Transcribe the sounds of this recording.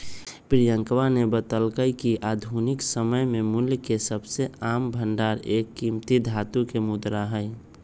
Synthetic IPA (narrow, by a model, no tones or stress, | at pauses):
pɾijəŋkʋanebət̪əlkəjkiʔad̪ʱunɪksəməjmẽmʊljkesəbseaːmbʱənɖaɾekːimt̪id̪ʱat̪ukemʊd̪ɾaɦəɪ